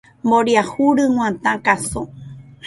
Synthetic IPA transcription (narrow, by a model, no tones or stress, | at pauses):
mboɾjahuɾɨŋ̃ʷãt̪ãkaso